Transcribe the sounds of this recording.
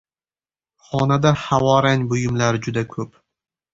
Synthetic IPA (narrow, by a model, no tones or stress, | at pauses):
χɒnad̪ahawɒɾanʲbʊjɪmlaɾɪd͡ʒʊd̪akʰɵp